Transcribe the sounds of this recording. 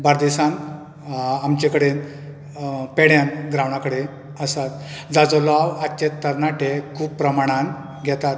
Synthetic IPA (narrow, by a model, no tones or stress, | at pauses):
baɾd̪isãn | amt͡ɕekəɽen | peɽjãnɡɾaʋɳakəɽe | əsat̪d͡zad͡zɔlɔʋat͡ɕet̪t̪ːəɾnaʈekʰuːbpːɾəmaɽ̃ãn | ɡʱɛt̪at̪̚